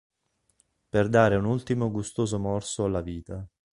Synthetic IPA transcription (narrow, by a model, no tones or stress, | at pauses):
perd̪aːɾeunult̪imoɡust̪oːzomɔrsoalːaviːt̪a